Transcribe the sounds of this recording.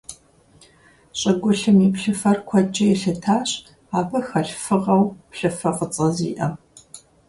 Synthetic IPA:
ɕʼɐɡʷʊɬɨmipɬɨfɐrkʷʰɔd͡ʒʼɐjɛɬɨtʰaːɕ | aːbɐxɐɬfɨʁɐwpɬɨfɐqʼət͡sʼɐzḭːʔɐ

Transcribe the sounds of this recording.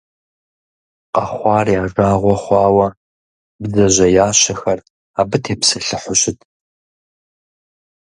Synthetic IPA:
qɐχʷɑːriaːʐaːʁʷɔχʷɑːwɐ | bzɐʑɐjaːɕɐxɐr | aːbɨtʰeːpsɐɬɨħʷʊɕɪtʰʼ

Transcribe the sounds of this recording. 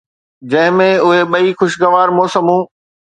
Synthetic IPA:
d͡ʑɐ̃ɦɪ̃mẽʊɦeɓɐixʊʃɡɐʋaːɾmoːsəmũː

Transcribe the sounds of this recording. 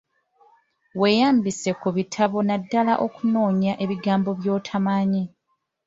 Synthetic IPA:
we̞jaːmbise̞kuβitʰaβo̞nadːalaʔokuno̞ːɲaʔe̞βiɡaːmbo̞βjo̞ːtʰamaːɲi

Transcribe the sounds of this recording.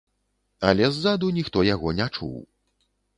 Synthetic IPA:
ɐlʲɛzːad̪unʲixt̪ɔjaɣɔnʲat͡ʂṵw

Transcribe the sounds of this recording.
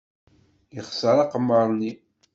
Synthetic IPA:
jəχsəɾˤɑqəmːəɾˤni

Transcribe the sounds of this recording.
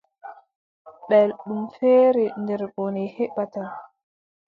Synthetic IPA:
ɓɛlɗumfɛːɾɛndɛɾɓonɛhɛɓːataj

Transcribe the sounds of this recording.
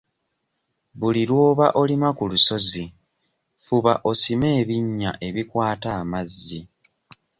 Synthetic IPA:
βuliɾwo̞ːβaʔo̞limakuluso̞zi | fuβaʔo̞sime̞ːβiɲːaʔe̞βikwaːtaːmazːi

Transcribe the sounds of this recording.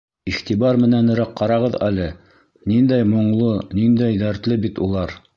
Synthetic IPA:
iχt̪ibɑɾmɘ̆nænɵ̆ɾæqqɑɾɑʁɤðæ̰lɘ | nind̪æjmŏɴlˠonind̪æjd̪æɾt̪lɘbit̪ulˠɑɾ

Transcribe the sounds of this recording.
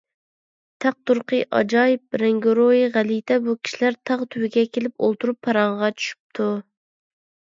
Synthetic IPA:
t̪ʰæq̚t̪uɾqʰəʔɑ̰d͡ʒɑːjip̚ɾɛŋɡoɾojiʁælit̪ʰɛbukʲʰi̥ʃilæɾt̪ʰɑʁt̪ʰywɪɡʲɛkʲʰelɪpo̰lˠt̪uɾupʰːɑɾɑɴʁɑt͡ʃʰy̥ʃy̥p̚t̪ʰu

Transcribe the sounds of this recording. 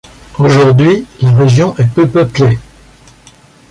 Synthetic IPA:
oʒuʁd̪ɥilaʁeʒjɔ̃ʔɛpøpœple

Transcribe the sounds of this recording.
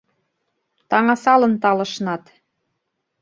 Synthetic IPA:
t̪ɑŋɑsɑlɤ̆nt̪ɑlɤ̆ʃnɑt̪

